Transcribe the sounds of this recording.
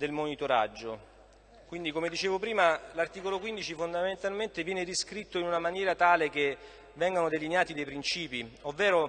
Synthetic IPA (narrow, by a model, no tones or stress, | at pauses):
d̪elmonit̪oɾa̰d͡ʒːo | kwind̪ikomed̪it͡ʃeːvopɾiːmalart̪iːkolokwind̪it͡ʃifond̪ament̪alment̪evjɛːneɾiskɾit̪ːoinunamanjɛːɾat̪aːlek̟e | vːɛŋɡanod̪elineaːt̪id̪ejpɾint͡ʃiːpiovːɛːɾo